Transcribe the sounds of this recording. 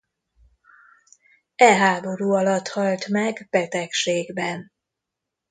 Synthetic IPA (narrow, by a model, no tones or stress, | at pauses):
ɛɦaːbo̞ɾuːɒlɒt̪hɒlt̪mɛɡb̥ɛt̪ɛkʃeːɡbɛn